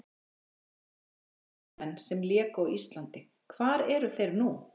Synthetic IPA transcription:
mɛnːsɛmljɛːkawist̪lant̪ɪ | kʰvaːɾɛɾʏθejɾnu

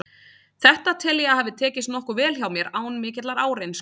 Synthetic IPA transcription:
θɛht̪at̪ʰɪljɛahɛvðɪt̪ʰɛːcɪst̪nɔhkʏvɛːlçjawmjɛɾaːwnmɪːcɪt̪laɾaːwɾejns

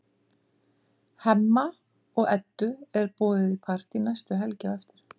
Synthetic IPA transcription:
hɛmːa | ɔɣɛt̪ːʏɛɾpɔːðɪðipʰar̥t̪inajst̪ʏɦɛlcaɛft̪ɪɾ̥

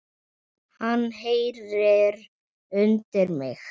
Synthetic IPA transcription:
hanːɦejɾɪɾ | ʏnt̪ɪɾmɪ̰x

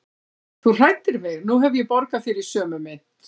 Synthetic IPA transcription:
θur̥ajt̪ːɪɾvɛɣnuɦɛvjɛpɔɾkafɪːɾɪɾi̥sœːmʏmɪn̥t̪

